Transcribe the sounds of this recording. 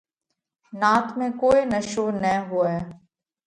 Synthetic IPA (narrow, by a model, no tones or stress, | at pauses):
naːt̪mẽkoːinɐʃoːnɛɦuɛː